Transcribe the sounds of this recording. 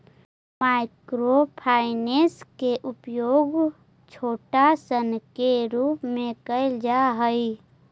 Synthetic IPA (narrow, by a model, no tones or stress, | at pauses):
maːɪkɾopʰaːɪneskeʔʊpjoːɡ | t͡ʃʰoːʈasənkeɾuːpmẽkəɪld͡ʒaɦəi